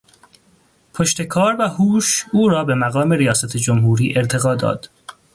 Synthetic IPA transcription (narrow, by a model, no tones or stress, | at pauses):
pʰoʃt̪e̞kʰɒːɾvæhuːʃuːɾɒːbe̞mæɣɒːme̞ɾijɒːsæt̪ʰed͡ʒomɦuːɾiːʔe̞ɾt̪ʰe̞ɣɒːd̪ɒ̰ːd̪̥